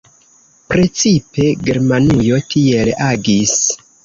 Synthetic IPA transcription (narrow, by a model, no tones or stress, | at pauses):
pɾe̞t͡sipe̞ɡe̞ɾmanujo̞tʰie̞laɡis